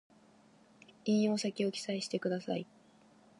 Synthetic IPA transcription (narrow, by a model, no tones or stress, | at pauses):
ĩɰ̃o̞ːsakʲio̞kʲi̥saiɕi̥t̪e̞kɯ̟d̪asa̰ḭ